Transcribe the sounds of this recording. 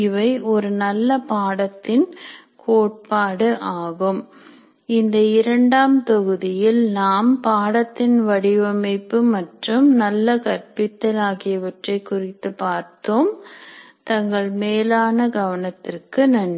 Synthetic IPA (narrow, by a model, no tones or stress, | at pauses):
ɪʋɐɪʔɔɾɯnɐlːɐpaːɽɐt̪ːɪn | kʰoːʈ̚paːɽɯʔaːɣɯm | ɪnd̪ɐɪɾɐɳɖaːmt̪ɔɣɯðɪjɪlnaːmpaːɽɐt̪ːɪnʋɐɽɪʋɐmɐɪpːɯmɐʈrɯmnɐlːɐkɐɾpɪt̪ːɐlaːɣɪjɐʋɐʈrɐɪkːʊrɪt̪ːɯpaːɾt̪oːm | t̪ɐŋɡɐɭmeːlaːnɐɡɐʋɐnɐt̪ːɪrkɯnɐɳ